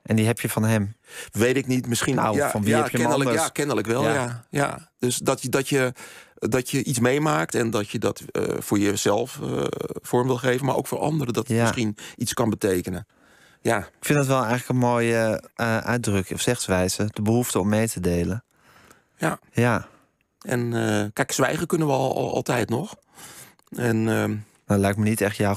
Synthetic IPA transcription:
ʔɛndiɦɛpjəfɔnɦɛmʋeːtɪknitmɪsχinawfɔnʋiɛpjənəəsakɪnələkʋɛlˠjaja̰døsdɔtədɔtjədɔtjəʔismejmaːk̚tɛndɔtjədɔtfʊːɹjəzɛlˠfə̰fʊɹmʋɪlˠxeːvənmaʔo̰wkfʊːɹɑ̰ndəɾədɔtəjamɪsχinʔit͡skɔnbəteːkənə | jaɪkfɪndɔtʋɛlˠɛjɣləkənmoːjəʔœ̰ɥ̚drøkɔfsɛxsʋɛjz̥əd̥əbəhuftəɔmːeːtʰədeːlən | jaja | ɛ̰nkɛjksʋɛjɣəkɵnənʋəɔl̰ˠɔ̰lˠtɛjtnɔx | ɛn | nalɛjk̚mənitɛxtja

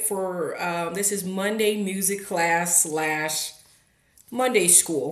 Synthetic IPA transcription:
fə˞ʌ̃ðɪsɨzmʌ̃ndeɪmjʉzɨkʰl̥æslæʃ | mʌ̃ndeɪskulˠ

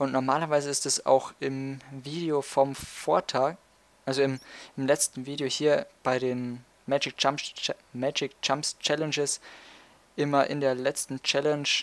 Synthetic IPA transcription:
ʔʊntnɔɐmaːlɐvaɪzəɪstd̥asa̰ʊxʔɪmviːdeofɔmfoːɐtʰaːk | ʔalzoɪmʔɪmlɛt͡stn̩viːdeohiːɐb̥aɪɾeːn | mɛd͡ʒɪk̚t͡ʃamsmɛd͡ʒɪk̚t͡ʃamst͡ʃɛlɛnd͡ʒɪs | ʔɪmɐʔɪ̰ndeːɐlɛt͡stn̩t͡ʃɛlɛnʃ

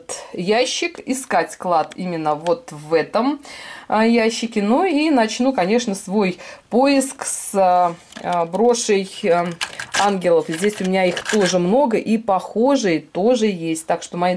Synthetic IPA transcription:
t̪jæɕːɪkɪskatʲklˠat̪imʲɪnːəvo̞t̪vɛt̪əm | jæɕːɪkʲɪnuinɐt͡ɕnukɐnʲe̞ʂnəsvo̞jpoɪsks | bɾo̞ʂəj | anɡʲɪlˠəfzʲdʲesʲʊmʲɪnʲaixt̪o̞ʐɨmno̞ɡəʔipɐxo̞ʐɨjət̪o̞ʐɨjesʲtʲt̪akʂt̪o̞mɐi

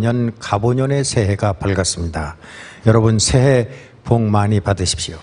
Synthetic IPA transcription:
ʌnkaboɲʌne̞sʰe̞ɦe̞ɡapʌɭɡas͈ɯmɲida | jʌɾʌbɯnsʰeɦe | poŋmaɲipadɯɕʰi̥p̚ɕio

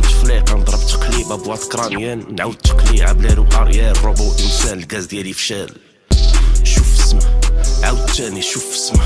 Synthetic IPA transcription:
t̪əflæqɑnəd̪ˤɾˤəbt̪ə̥qlibæbwæt̪kɾˤɑnjænːʕawd̪̚t̪ːə̥qliʕa̰blænuʔɑɾjærˤːobuʔənsænəlɡæzd̪jælifʃæl | ʃufəsmæʕawd̪t̪ːæniʃufə̥smə

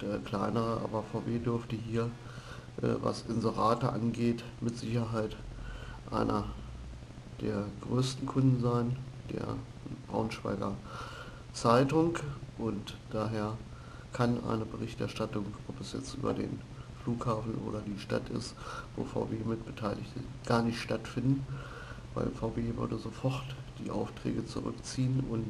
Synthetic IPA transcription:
ɛklaɪnəʁəʔa̰ːbɐfaʊveːdʏɐftəɦiːɐ | ʔɛ̰ːva̰sʔɪnzəʁaːtəʔa̰nɡeːt | mɪtz̥ɪçɐɦaɪt | ʔa̰ɪnʔɐ | d̥eːɐɡʁøːstn̩kʰʊndn̩zaɪnd̥ḛːɐ | b̥ʁa̰ʊnʃv̥a̰ɪɡɐ | t͡saɪtʊŋʔʊntd̥aːɦeːɐ | kʰanʔa̰ɪnəbəʁɪçtɛɐʃtatʊŋʔɔpɛsjɛ̰t͡stʔy̰ːbɐ̰dḛːn | fluːkhaːfn̩ʔo̰ːɾɐdiːʃta̰tʰɪ̰stvo̰ːfa̰ʊveːmɪt̚b̥ətʰaɪlɪçtəɡ̥aːɐnɪçtʃtatfɪndn̩ | v̥aɪlʔɪmfaʊveːvʏ̰ɐdəzoːfɔʁtd̥iːʔa̰ʊftʁ̥ɛ̰ːɡət͡sṵʁʏ̰kt͡siːənʊnt

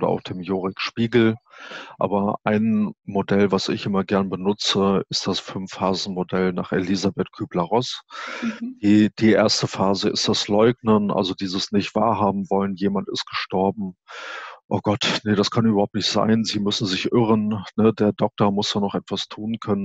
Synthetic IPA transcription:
dɐa̰ʊxχd̥eːmjoːʁɪkʃpiːɡl̩ʔa̰ːbɐʔaɪnmodɛlvasɪçʔɪmɐɡɛɐnəbənʊt͡səɪstd̥asfʏmfhaːzn̩modɛlna̰ːχelizabɛtkʰyːblaʁɔs | d̥iːd̥iːʔeːɐstəfaːzəɪ̰std̥aslɔʏɡnənʔa̰lzodiːzəsnɪçtv̥a̰ːɐɦaːbm̩vɔlənjeːmantɪ̰st̚ɡ̥əʃtɔɐbm̩ | ʔoːɡ̥ɔtnəɾ̥askʰanybɐhʊtnɪçtz̥a̰ɪnziːmʏsn̩zɪçʔɪʁ̞ənnədeːɐdɔk̚tɐɐmʊsd̥aːnɔχʔɛtv̥astʰuːnkʰœnən

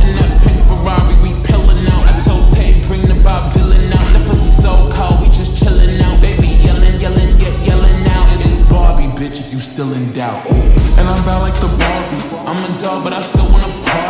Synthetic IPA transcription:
ɨ̃nɨpʰɪ̃ŋfə˞ɹɑɹiwipʰɪlˠɪ̃naʊna̰ɪtʰoʊlˠtʰeɪb̥ɹɪ̃ŋɪ̃nɨbɑb̚dɪlˠɪ̃nnaʊ̃ðɨpʰʌzɨsoʊkʰʌlˠwid͡ʒʌst͡ʃʰɪlˠɪ̃nnaʊbeɪbijɛlˠɪ̃njɛlˠɪ̃njɛʔjɛlˠɪ̃nnaʊɨɾɪzbɑbibɪt͡ʃɨfjə˞stɪlˠɨ̃ndaʊtɨ̃nãɪ̃mbaʊtˡlaɪk̚ðəbɑbi | ʔãɪ̃mɨdɔɡ̚bʌɾaɪstɪlˠwɑ̃nəkʰa

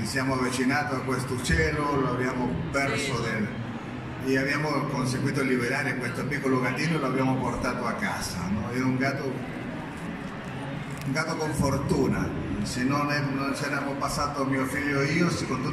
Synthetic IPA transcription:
isjaːmoavit͡ʃinaːt̪oakwest̪ot͡ʃɛːloloabjaːmopɛrsod̪el | eabjaːmokons̬eɡwiːt̪̬olibeɾaːɾekwest̪opikːoloɡad̪iːnoloabjaːmoport̪aːt̪oakːa̰ːsa̰nɔɛuŋɡaːt̪o | uŋɡaːt̪okoɱfort̪uːna̰senːonɛnonseanamopasːaːt̪oamiːofiʎːoiːosikont̪u

